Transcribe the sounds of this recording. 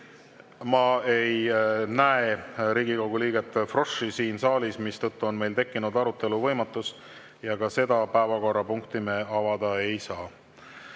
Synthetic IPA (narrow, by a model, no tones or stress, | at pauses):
mɑe̞jnæeɾiːɡikɑwɡ̥uliːɡ̥et̪ːˑfro̞ʂisiːnsɑːlʲismist̪ɤ̞t̪ːuo̞nme̞jlt̪e̞kːinud̪ɑɾut̪ːˑe̞luvɤ̞jmɑt̪ːˑus | jɑkɑse̞d̪̥ɑpæevɑko̞rːɑpuŋkt̪imeɑvɑd̪ɑe̞jsɑː